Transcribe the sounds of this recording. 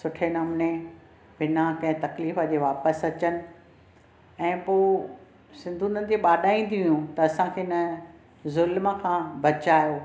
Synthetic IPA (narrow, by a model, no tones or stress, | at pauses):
sʊʈʰenɐmne | bɪnakɐ̃ɦɪ̃t̪ɐkliːfəd͡ʑeːʋaːpəsɐt͡ɕənɪ̆ | ɛ̃ːpoː | sɪ̃nd̪ʱũnɐd̪eɓaːɗaːĩn̆d̪ijũt̪ɐɐsãkʰeːɪnə | zʊlməkʰãːbɐt͡ɕaːjoː